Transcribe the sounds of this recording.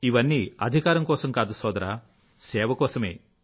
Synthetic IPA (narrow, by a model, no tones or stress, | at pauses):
iʋɐnːiɐ̰d̪ʱikaːɾɐmkɔːsɐmkaːd̪usɔːd̪ɐɾaː | sɛːʋɐkɔːsɐmḛː